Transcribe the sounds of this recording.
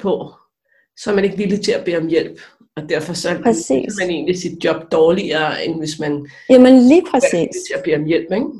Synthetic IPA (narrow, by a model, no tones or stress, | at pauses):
pʰɔ̽ | sɒ̽æɐmæne̝ɡ̥ʋilit͡sʰe̝læb̥e̝̰ːɒ̽mjel̰b̥ | ɒ̽d̥æɐfɒ̽sɒ̽sḭːmæne̝̰ːnlisid̥̚djɒ̽b̥̚d̥ɒːliɐeʋe̝smæn | jæmənliːpʰʁɛsḭːst͡sʰe̝æb̥e̝̰ːɒ̽mjel̰b̥eɡ̥